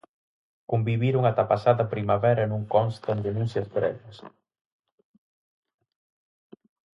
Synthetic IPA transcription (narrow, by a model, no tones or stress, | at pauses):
kombiβiɾuŋat̪apasaðɐpɾimaβɛɾɐnuŋkɔnst̪end̪enũnsjɐstɾɛ̰ʎɐs